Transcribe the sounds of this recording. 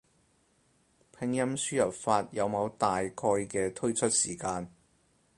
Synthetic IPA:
pʰɪ˨˧ŋjɐ˥msyː˥jɐ˨˩p̚faː˧t̚jɐ˨˧wmɐ˨˧wt̪aː˨jkʰɔː˧jkɛː˧t̪ʰɵ˥ɥt͡ʃʰɵ˥t̚siː˨˩kaː˧n

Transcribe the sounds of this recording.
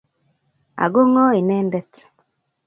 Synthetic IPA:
a̰˨ɡo˦ŋɔ˦i˨nɛ˦ndɛ˦t

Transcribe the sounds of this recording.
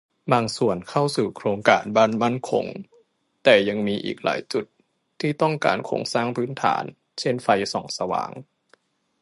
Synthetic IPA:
baː˧ŋsu˨˩ənkʰa˥˩wsuː˨˩kʰɾoː˧ŋkaː˧nbaː˥˩˨nma˥˩nkʰo̰˧ŋ | t̪ɛː˨˩ja˧ŋmiː˧ʔḭː˨˩k̚la̰ː˩˦jt͡ɕu˨˩t̪ʰː | iː˥˩t̪ɔ˥˩ŋka̰ː˨˧nkʰo̰ː˧ŋsaː˥˩ŋpʰɯː˦˥nt̪ʰa̰ː˩˦n | t͡ɕʰe˥˩nfa˧jsɔː˩˦ŋsa˧wa̰ː˩˦ŋ

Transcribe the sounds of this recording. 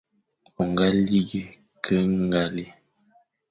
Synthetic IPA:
ɔ˨ŋ˨ɡa˦li˦ɡe˦ | kʰə˦ŋ˦ɡa˨li˦

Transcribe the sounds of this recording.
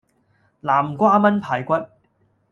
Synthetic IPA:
laː˨˩mkʷaː˥mɐ˥npʰaː˨˩jkʷɐ˥t̚

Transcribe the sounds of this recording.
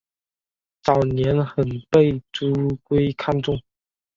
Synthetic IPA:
t͡sɑ˨˩ʊnjɛ˧˥nxə˨˩npe˥˩ɪʈ͡ʂu˥kwe˥ɪkʰa˥˧nʈ͡ʂʊ˥˩ŋ

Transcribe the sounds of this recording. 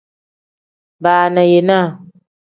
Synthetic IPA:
baː˨na˨je˨na˦˨

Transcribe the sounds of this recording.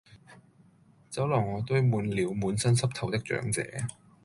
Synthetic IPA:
t͡sɐ˨˥wlɐ˨˩ŋŋɔː˨˧t̪ɵ˥ɥmuː˨˧nliː˨˧wmuː˨˧nsɐ˥nsɐ˥p̚t̪ʰɐ˨˩wt̪ɪ˥k̚t͡ʃœ̰ː˨˥ŋt͡sɛ̰ː˨˥

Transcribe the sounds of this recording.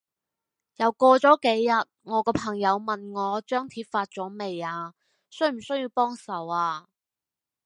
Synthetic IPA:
jɐ˨˩wkɔː˧t͡sɔː˨˥ke˨˥jːɐ˨t̚ŋɔː˨˧kɔː˧pʰɐ˨˩ŋjɐ˨˧wmɐ˨nŋɔː˨˧t͡ʃœː˥ŋt̪ʰiː˧t̚faː˧t̚t͡sɔː˨˥me˨jaː˧ | sɵ˥ɥm̩˨˩sɵ˥ɥjiː˧wpɔː˥ŋsɐ˨˩waː˧

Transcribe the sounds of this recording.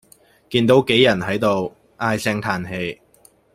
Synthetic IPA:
kiː˧nt̪o˨˥wke˨˥jːɐ˨˩nɦɐ˨˥jt̪o˨˧w | ʔaː˧jsɛ˧ŋt̪ʰaː˨˩nɦe˧j

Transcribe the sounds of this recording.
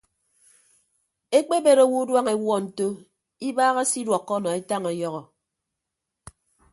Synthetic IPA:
e˦k͡pe˦be˨ɾo˨wu˦dwa˦ŋe˨wɔ˦n̩˨to˦ | i˦baː˦ɣa˦si˦dwɔ˨kːɔ˦nɔ˨e˦ta˦ŋɔ˨˦jɔ˦ɣɔ˨

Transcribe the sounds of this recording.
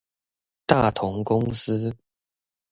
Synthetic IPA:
t̪a˥˩t̪ʰʊ˧˥ŋkʊ˦ŋs̩˥

